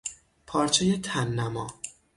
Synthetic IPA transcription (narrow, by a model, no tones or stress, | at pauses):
pʰɒːɾt͡ʃʰejet̪ʰænːæmɒː